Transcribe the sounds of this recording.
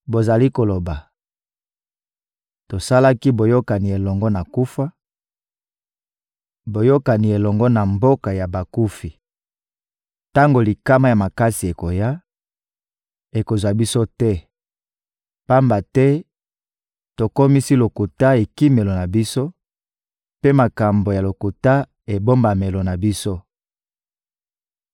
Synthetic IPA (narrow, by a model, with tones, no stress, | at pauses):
bo˨za˨li˦ko˨lo˨ba˨ | to˨sa˦la˦ki˦bo˨jo˦ka˨ni˨e˨lɔ˨ŋɡɔ˦na˨ku˦fa˦ | bo˨jo˦ka˨ni˨e˨lɔ˨ŋɡɔ˦na˨mbo˦ka˨ja˨ba˨ku˦fi˨ | ta˦ŋɡo˨li˨ka˦ma˦ja˨ma˨ka˦si˨e˨ko˨ja˦ | e˨ko˨zwa˨bi˦so˦tɛ˦ | pa˦mba˨tɛ˦ | to˨ko˦mi˦si˦lo˨ku˨ta˦e˨ki˦me˨lo˨na˨bi˦so˦ | pe˦ma˨ka˨mbo˨ja˨lo˨ku˨ta˦ | e˨bo˦mba˨me˨lo˨na˨bi˦so˦